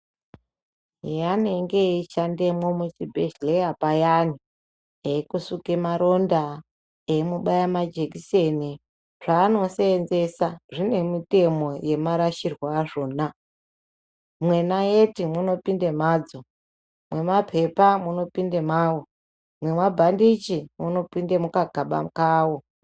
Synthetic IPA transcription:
janeŋɡeit͡ʃande̞mwomut͡ʃibʱeʃle̞japajani | ekusukemaɾo̞nda | emuɓajamad͡ʒekiseni | ʐ̥aːno̞seːnze̞saʐine̞mite̞mo̞je̞maɾaʃirwaːʐoːna | mwe̞najetimuno̞pindemaːd͡zo | mwe̞mapʰe̞pamuno̞pindemawo | mwe̞mwabʱandit͡ʃimuno̞pindemukaɡʱaɓa̰mkaːwo

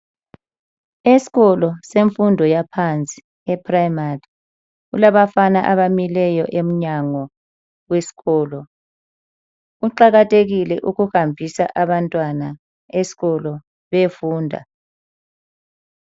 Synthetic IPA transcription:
esi̥ɣɔlɔseɱfundʱɔjapʰant͡sʼi̥ | ɛpʰrajmari | ulaβafanaʔaβamilɛjɔʔem̩ɲaŋɔ | wesi̥ɣɔːlɔ | uǃaɣatʰʼeɣilɛʔuɣuhambʱisaʔaβantʼwana | esi̥ɣɔlɔ | βefuːndʱa̰

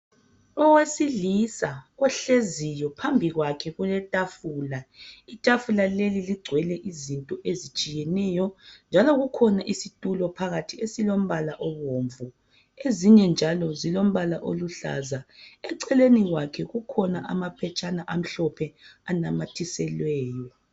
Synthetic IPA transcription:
ɔwesilisaɣɔɬezijɔpʰambʱiɣwakʰɛɣulɛtʼafuːlaitʼafulaleliliɡ͡ǀʱwɛlɛʔizintʼɔʔezit͡ʃʼijɛnɛjɔnd͡ʒʱalɔɣukʰɔnaʔisitʼulɔpʰaɣatʰiesilom̩βalaʔɔɣoːɱvu | eziɲɛnd͡ʒʱalɔzilom̩βalaʔoluɬa̰zaɛǀɛleniɣwakʰɛɣukʰɔnaʔamapʰɛt͡ʃʼanaʔam̩ɬɔpʰɛanamatʰisɛlwɛːjɔ

